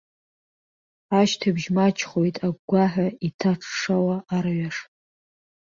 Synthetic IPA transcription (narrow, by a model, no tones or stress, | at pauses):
aʃtʰabʒmat͡ʃʰχojtʼaɡɡʷaħʷᶣaitʰaʈ͡ʂʰʂawaːrɥaʂ